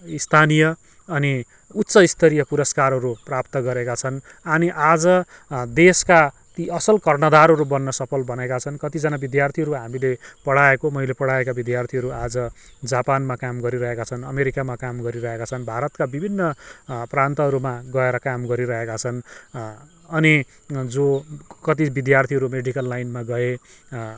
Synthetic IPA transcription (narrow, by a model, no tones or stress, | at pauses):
ist̪ʰanijʌ | ʌni | ut̪ːsʌist̪ʰʌɾijʌpuɾʌskaɾɦʌɾuprapt̪ʌɡʌɾekat͡sʰʌn | ʌniʔad͡zʌ | d̪eska | t̪iʌsʌlkʌrnʌd̪aɾɦʌɾubʌnːʌsʌpʰʌlbʌnekat͡sʰʌnkʌt̪id͡zʌnabid̪jart̪ʰiɦʌɾuɦamilepʌɽaekomʌjlepʌɽaekabid̪jart̪ʰiɦʌɾuad͡zʌ | d͡zapanmakamɡʌɾiɾʌɦekat͡sʰʌnʌmeɾikamakamɡʌɾiɾʌɦekat͡sʰʌnbʱaɾʌt̪kabibʱinːʌprant̪ʌɦʌɾumaɡʌeɾʌkamɡʌɾiɾʌɦekat͡sʰʌn | ʌni | d͡zokʌt̪̬ibid̪jart̪ʰiɦʌɾumeɖikʌlːajnmaɡʌe